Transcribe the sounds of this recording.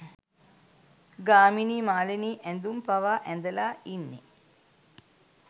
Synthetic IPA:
ɡaːminiːmaːleniːʔænd̪umpaʋaːʔænd̪əlaːinːḛ

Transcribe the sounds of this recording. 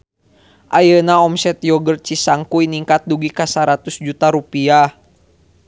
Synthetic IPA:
ʔajənaɔmsɛt̪jɔɡərt͡ʃisaŋkuiniŋkat̪̚duɡikasaɾat̪usd͡ʒut̪aɾupia

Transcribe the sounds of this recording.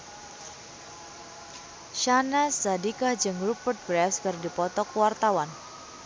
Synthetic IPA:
ʃanasadikahd͡ʒɨŋɾupərt̪̚bɾɛfskɨrdipɔt̪ɔkwart̪awan

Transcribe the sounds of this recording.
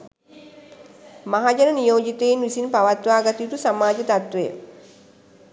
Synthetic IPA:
maɦad͡ʒəɾənijoːd͡ʒit̪einʋisinpaʋat̪ʋaːɡat̪ijut̪usamaːd͡ʒət̪at̪ʋejə̰

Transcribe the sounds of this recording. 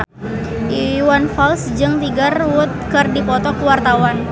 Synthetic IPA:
ʔiwanfalsd͡ʒɨŋt̪iɡarwʊt̪̚kɨrdipɔt̪ɔkwart̪awan

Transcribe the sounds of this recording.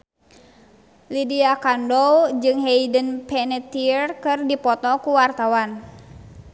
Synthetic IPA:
lidiakandɔwd͡ʒɨŋɦɛidənpʰɛnɛt̪irkɨrdipɔt̪ɔkuwart̪awan

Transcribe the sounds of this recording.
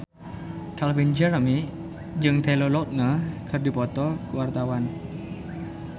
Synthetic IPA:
t̪ʰalfind͡ʒərəmi | d͡ʒɨŋt̪ʰelolɔt̪̚nəkʰərdipɔt̪ɔkuwart̪awan

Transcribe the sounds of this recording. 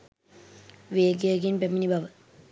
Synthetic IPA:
ʋeːɡeɡinpeminibʱɐʋə

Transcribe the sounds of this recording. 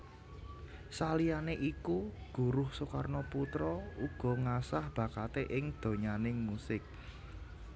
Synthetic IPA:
salijaneʔikuɡ̥ṳɾʊhsokarnɔput̪ɾɔuɡ̥ɔ̤ŋasahb̥a̤kat̪eʔɪŋd̪̥o̤ɲanɪŋmusɪk̚

